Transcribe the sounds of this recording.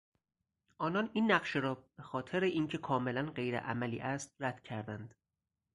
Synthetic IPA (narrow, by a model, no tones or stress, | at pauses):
ʔɒːnɒninːæɢʃeɾɒːb̥e̞xɒːt̪ʰe̞ɾeʔiːncʰe̞kʰɒːme̞lænɢe̞jɾḛʔæ̰mælḭːʔæst̪̚ræd̪̥cʰæɾd̪ænd̪̥